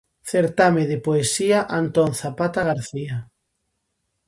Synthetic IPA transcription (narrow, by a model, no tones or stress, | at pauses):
θeɾt̪ameðɪpoesiaʔant̪onθapat̪aɣ̞aɾθia